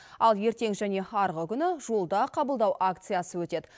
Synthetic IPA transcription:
ɑlˠje̞ɾt̪e̞ŋʒæne̞hɑɾʁəkʲʰʏnɪʒo̞lˠd̪ɑqʰɑbəlˠd̪ɑwʔakt̪sɨjasəwɵt̪e̞d̪ɪ

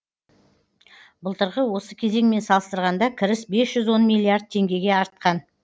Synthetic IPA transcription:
bəlˠt̪əɾʁəwo̞səkʲʰe̞ze̞ŋme̞nsɑlˠəst̪əɾʁɑnd̪ɑkʲʰɪɾɪsbe̞sʒ̥ʏzwo̞nmijlʲˠːiaɾd̪̚t̪ʰe̞ŋɡʲe̞ɡʲe̞ɑɾət̪̚qɑn

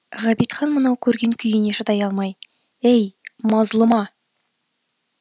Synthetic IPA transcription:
ʁæbit̪χɑnmənɑwkʲʰɵɾɡʲe̞ŋkʲʰʏjɪne̞ʃət̪ɑjɑlˠmɑj | ejmɑzlˠəmɑ

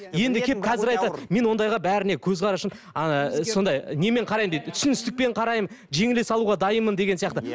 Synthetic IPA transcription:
je̞nd̪ɪkʲʰep̚kʰɑzɪɾɑjt̪ɑd̪me̞nwo̞nd̪ɑjʁɑbæɾɪne̞kʲʰɵzqʰɑɾɑʃəm | so̞nd̪ɑjne̞me̞ɴqʰɑɾɑjəmd̪ejt̪t̪ʰʏ̥sɪnɪst̪ɪk̚pe̞ɴqʰɑɾɑjmənʒe̞ŋɪlesɑlˠuwʁɑd̪ɑjəmənd̪e̞ɡe̞nsijɑqt̪ə

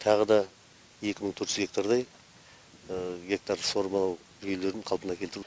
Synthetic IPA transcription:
t̪ʰɑʁəd̪ɑ | je̞kʲɪməɴt̪ʰɵɾt̪ʒɪzɡʲe̞k̚t̪aɾd̪ɑj | ɡʲe̞k̚t̪arso̞ɾmalˠɑw | ʒʏjele̞ɾd̪ɪɴqʰɑlˠpənɑkʲʰet̪ɪɾ

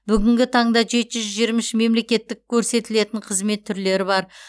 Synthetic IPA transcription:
bʏɡʲɪŋɡʲɪt̪ʰɑɴd̪ɑʒe̞t̪ɪʒʏʏzʒijəɾmɪʃɪme̞mle̞kʲe̞t̪ːɪk̚ʲʰːɵɾse̞t̪ɪle̞t̪ɪɴqʰəzme̞t̪ʰːʏɾle̞ɾɪbɑɾ

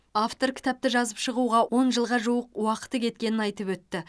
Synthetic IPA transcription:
aft̪o̞ɾkʲʰɪ̥t̪æp̚t̪ɪʒɑzəpʃəʁuʁɑwo̞nʒəlˠʁɑʒuwəqwɑqə̥t̪əkʲʰe̞t̪̚kʲe̞nɪnɑjt̪əpwɵt̪ːɪ

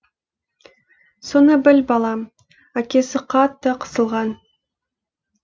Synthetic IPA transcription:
sonəbɪlbɑlˠɑm | ækʲe̞sɪqʰɑt̪ːəqʰə̥səlˠʁɑn

